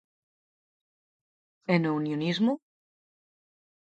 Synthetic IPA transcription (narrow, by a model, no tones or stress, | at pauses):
enounjonizmu